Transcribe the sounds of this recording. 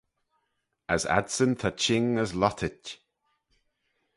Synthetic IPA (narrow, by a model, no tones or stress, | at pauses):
əsa̰dsənt̪ʰat͡ʃɪŋəzlɔt̪ʰət